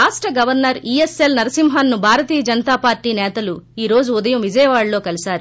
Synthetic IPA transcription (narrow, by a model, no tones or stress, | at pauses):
aːsʈɾɐɡɐʋɐɾnɐɾiːeselnɐɾɐsimɦanːubʱaːɾɐt̪iːjɐd͡ʒɐnɐt̪aːpaːɾʈiːnɛːt̪ɐluiːɾo̞ːd͡ʒuːd̪ɐjɐmʋid͡ʒɐjɐʋaːɭlo̞ːkɐlisaːɾu